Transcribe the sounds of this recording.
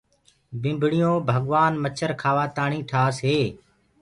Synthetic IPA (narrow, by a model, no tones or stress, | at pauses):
bɪ̃mbʱɽɪjõːbʱəɠʋaːnmət͡ʃʰəɾkʰaːʋaːt̪aːɳiːʈʰaːsɦeː